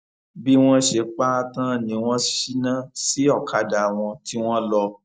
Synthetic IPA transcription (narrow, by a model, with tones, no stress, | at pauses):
bi˦w̃ɔ̃˦ʃe˨˧˦k͡pa˦tã˦˨nĩ˨˧˦w̃ɔ̃˦ʃi˦nã˦si˨˦ɔ˦˨kʰa˨˦da˨w̃ɔ̃˧ti˦w̃ɔ̃˦lɔ˧